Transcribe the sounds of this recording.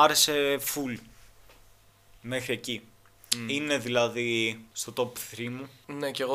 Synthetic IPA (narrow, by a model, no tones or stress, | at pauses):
ɐɾeseful | me̞xɾie̞ci | ine̞ðilɐðist̪ot̪o̞pθɾimuneceɣo